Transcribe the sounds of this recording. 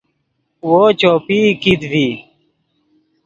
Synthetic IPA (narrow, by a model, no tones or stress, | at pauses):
woːt͡ɕoːpiːkid̪vi